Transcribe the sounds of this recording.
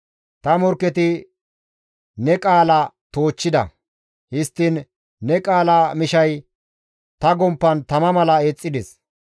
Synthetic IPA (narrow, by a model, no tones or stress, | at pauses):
t̪ɐmɔɾkːɛt̪ɪ | nɛkʼaːlɐt̪o̞ːt͡ʃːɪd̪ɐ̰ | hɪst̪ːɪnː | ɛkʼaːlamɪʃɐj | t̪ɐɡɔmpːɐnt̪ɐmɐmɐlɐeːt͡sʼːɪd̪ɛs